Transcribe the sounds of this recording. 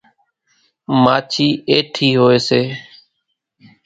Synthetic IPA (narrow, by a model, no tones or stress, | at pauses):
maːt͡ʃʰiːeːʈʰiːɦoːeːseː